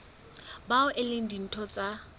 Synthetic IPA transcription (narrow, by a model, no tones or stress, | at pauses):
baʊʔɪlɪn̩din̩tʰɔt͡sʼa